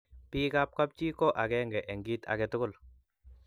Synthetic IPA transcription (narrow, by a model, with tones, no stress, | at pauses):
pi˦ka˦p̚ka˦p̚t͡ʃi˦kɔ˦ʔa˨ɡɛŋɡɛ˨ʔɛ˨ŋɡi˦t̪a̰˨kɛ˨tʊ˦kʊ˦˨l